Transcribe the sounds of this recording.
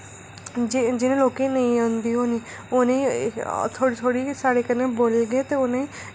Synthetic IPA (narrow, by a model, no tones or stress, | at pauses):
d͡ʒd͡ʒɪnẽloːkẽnɐĩõnd̪iɦoniː | ʊnẽ | t̪ʰoːɽit̪ʰoːɽisaːɽekɐneboːlɡəet̪eʊnẽ